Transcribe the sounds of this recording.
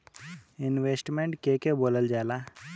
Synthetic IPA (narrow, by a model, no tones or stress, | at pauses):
inʋesʈmeɳʈkekeboləld͡ʑala